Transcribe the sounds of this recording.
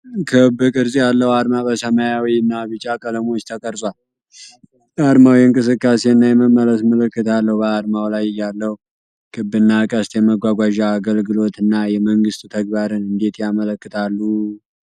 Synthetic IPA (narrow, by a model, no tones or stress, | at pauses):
kʰɨbːɨkʼɨɾzʼijalːəhad̪mabəsəmajawiɨnːaβɨt͡ʃʼːakʼələmo̞t͡ʃːt̪ʰəkʼəɾsʼwal | ad̪mawjɛɨŋkʼɨsɨkːase̞ɨnːajɛməmːələsmələkːɨt̪ʰalːəhubəad̪mawlajɪjːalːəhu | kʰɨbːɨnːakʼəst̪jɛməɡʷaɡʷaʒaːɡəlɡɨlo̞t̪ɨnːajɛməŋɡɨst̪ʼt̪ʰəɡbaɾɨnɨnd̪e̞t̪jamələkːɨt̪ʰalːu